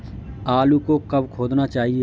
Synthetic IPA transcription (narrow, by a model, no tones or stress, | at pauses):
aːlukokɐbkʰoːd̪nat͡ʃaːɦie